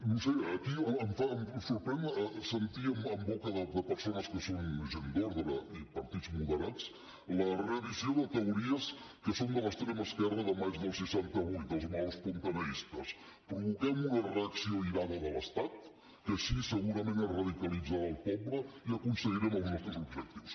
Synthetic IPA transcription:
nuseəkiəəɱfamsuɾpɾɛnsənt̪iəməmbɔkəðəd̪əpəɾsonəskəsonʒend̪oɾðɾəipəɾt̪id͡zmulˠðəɾat͡s | lərəβizioðət̪əuɾiəs | kəsond̪ələkst̪ɾeməskɛrəðəmad͡ʒðəlˠsiʃant̪əβujt̪əlˠzmaspunt̪ənəist̪əs | pɾuβukɛmunərəəksioiɾaðəðələst̪at̪ | kəʃisəɣuɾəmẽnərəðikəlid͡zaðəlˠpɔβləiəkunsəɣiɾɛməlˠznɔst̪ɾəzubʒək̚t̪iws

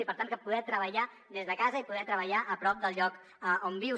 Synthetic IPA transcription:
ipəɾt̪anŋkəpuðɛt̪ɾəβəʎa | ðezðəkazəipuðɛɾt̪ɾəβ̞əʎaʔəpɾɔp̚d̪əlˠʎɔk | əombiw

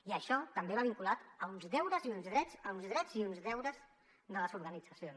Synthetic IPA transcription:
iəʃɔt̪əmbeβaβ̞iŋkulat̪əunzðɛwɾəziunzðɾɛzəunzðɾɛd͡ziunzðɛwɾəz | d̪ələzuɾɣənid͡zəsions

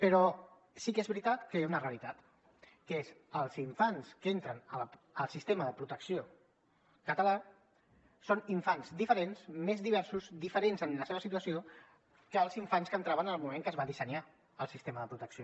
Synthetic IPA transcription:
pəɾɔ | sikezβɾit̪at̪kəezunəreəlit̪at̪ | kəezəlˠziɱfanskent̪ɾənələ | əlˠsist̪eməðəpɾut̪əksio | kət̪əla | soniɱfanzd̪ifəɾensmezðiβ̞ɛɾsuzd̪ifəɾenzənləseβəsit̪uəsio | kəːlˠziɱfanskənt̪ɾaβənəlˠmumeŋkəzβaðisəɲa | əlˠsist̪eməðəpɾut̪əksio

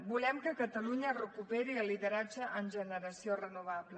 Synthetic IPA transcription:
bulɛmkəkət̪əluɲərəkupɛɾiəlːiðəɾad͡ʒəʔːnʒənəɾəsiorənuβ̞aβlə

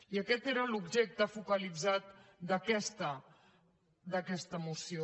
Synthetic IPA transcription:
iəkɛt̪eɾəlubʒek̚t̪əfukəlid͡zat̪̚d̪əkɛst̪ə | d̪əkɛst̪əmusio

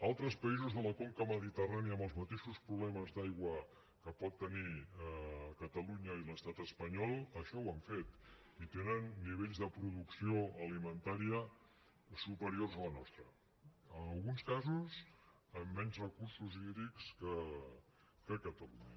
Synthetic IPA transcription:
alˠt̪ɾəspəizuzðələkolkəməðit̪əraniəːmbəlˠzmət̪eʃuspɾuβlɛməzðajɣwə | kəpɔt̪ːəniəkət̪əluɲəiləst̪at̪əspəɲɔlˠəʃɔwaɱfet̪ | it̪enənːiβ̞eʎzðəpɾuðuksioəlimənt̪aɾiə | supəɾiorzələnɔst̪ɾə | ənəlˠɣunskazuz | əmːɛɲzrəkuɾsuziðɾikskə | kəkət̪əlṵɲə

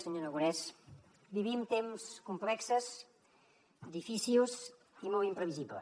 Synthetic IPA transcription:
səɲonəɣuɾɛs | biβimt̪emskumplɛksəz | d̪ifisilˠs | imɔlˠimpɾəβiziblə̰

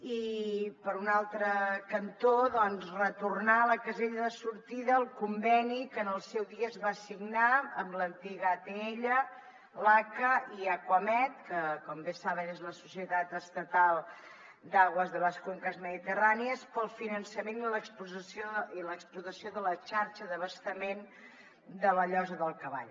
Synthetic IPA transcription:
ipəɾunalˠt̪ɾəkənt̪oðɔnzrət̪urnaləkəzeʎəðəsuɾt̪iðəːlˠkumbɛnikənəlˠsɛwðiəːzβasiɡnaəmlənt̪iɣəːt̪eeʎə | lakəiakwəmɛt̪̚kəkɔmbesaβənezləsusiət̪at̪əst̪ət̪alˠ | d̪aɣwəzðələskoŋkəzməðit̪əraniəspəlˠfinənsəmeniləkspuzəsioiləksplut̪əsioðələt͡ʃaɾt͡ʃəðəβəst̪əmen | d̪ələʎɔzəðəlˠkəβa̰ʎ

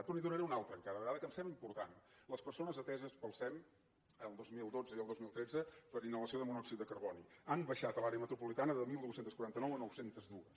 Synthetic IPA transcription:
ət̪uniðunəɾɛunalˠt̪ɾəŋkaðəðəɣaðəkəmsɛmbləimpuɾt̪a̰nləspəɾsonəzət̪ɛzəspəlˠsɛm | əlˠd̪ozmilˠd̪od͡zəiəlˠd̪ozmilˠt̪ɾed͡zəpəɾinːələsioðəmunɔksit̪̚əkəɾβɔniambəʃat̪əlaɾeəmət̪ɾupulit̪anəðəlˠmilˠd̪uwsenəskuɾant̪ənɔwənɔwsent̪əzðuəs

